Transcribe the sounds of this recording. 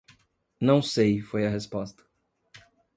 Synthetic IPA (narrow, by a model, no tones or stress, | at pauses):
nɐ̃w̃sejfojɐɦespɔst̪ɐ̥